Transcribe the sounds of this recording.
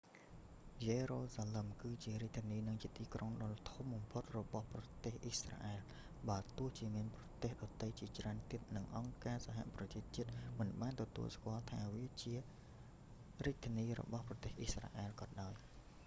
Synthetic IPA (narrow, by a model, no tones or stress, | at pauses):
jeːroːsaːləmkɨːt͡ɕiəɾiəc̚t̪ʰiəniːnɨŋt͡ɕiət̪iːkroŋɗɑːlt̪ʰumɓɑmpʰot̪̚rɔɓɑhprɑt̪eːhʔisra̰ːʔɛɛl | ɓaːt̪ŭəht͡ɕiəmiənprɑt̪eːhɗɑt̪əjt͡ɕiət͡ɕraənt̪iət̪̚nɨŋʔɑŋkaːsaɦa̰ʔprɑt͡ɕiət͡ɕiət̪̚mɨnɓaːnt̪ɔt̪ṵəlskŏəlt̪ʰaːʋiət͡ɕiə | riəc̚t̪ʰĭəniːrɔ̰ɓɑhprɑt̪eːhʔisra̰ʔɛːlkɑːnɗaɔj